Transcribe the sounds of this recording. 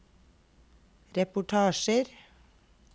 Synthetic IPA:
ɾɛpʊʈʰɑːʃəɾ

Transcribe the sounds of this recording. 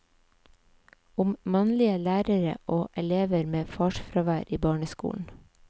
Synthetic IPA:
ʊmmɑnlɪəlæːɾəɾə̰ʔoːʔɛleːʋəɾmeːfɑːʃfɾɑʋæːɾʔiːbɑːɳəskṵːn̩

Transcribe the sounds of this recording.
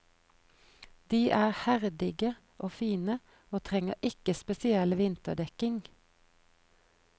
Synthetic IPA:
d̪̥iːʔæːʁhæʁd̪ɪɡə | ʔoːfiːnə | oːt̪ʰʁɛŋəʔɪkəspɛsɪɛlʋɪnt̪əd̪ɛkɪŋ

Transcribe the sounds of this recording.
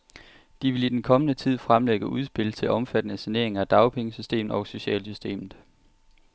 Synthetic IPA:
d̥iʋe̝lid̥enkʰɒ̽mənət͡sʰið̞̰ˠfʁamleɡ̥əuð̞ˠsb̥e̝lt͡sʰe̝lʔɒ̽mfæd̥ənəsæne̝ɐ̰e̝ŋɐæd̥ɑ̈ʊpʰeŋəsysd̥e̝̰ːmð̩ˠɒ̽ʊso̝ɕɛ̰ːlsysd̥e̝̰ːmð̩ˠ

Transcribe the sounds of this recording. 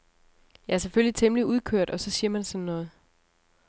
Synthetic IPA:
jɑæɐseføljit͡sʰemliuð̞ˠkʰøɐ̰d̥ɒ̽sɒ̽siɐmænsɒ̽nnːɔ̽ːð̩ˠ

